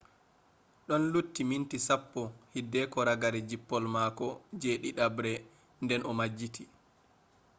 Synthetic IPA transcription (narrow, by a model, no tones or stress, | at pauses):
ɗɔnlutːimintisapːɔhidːɛkɔɾaɡaɾɛd͡ʒipːɔlmaːkɔd͡ʒeːɗiɗabɾɛ | ndɛnʔɔmad͡ʒːitʰi